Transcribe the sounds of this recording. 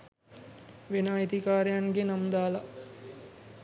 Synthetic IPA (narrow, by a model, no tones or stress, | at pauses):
ʋenaːet̪ikaːɾejaŋɡenamd̪aːla